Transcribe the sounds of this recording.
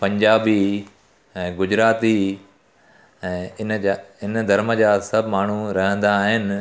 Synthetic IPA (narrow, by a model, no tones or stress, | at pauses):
pɐ̃ɲd͡ʑaːbi | ɛ̃ːɡʊd͡ʑɾaːt̪i | ɛ̃ːɪnaɪnd̪ʱɐɾməd͡ʑaːsɐbʱmaːɳ̤uɾɐɦə̃nd̪aːɦɪnɪ̆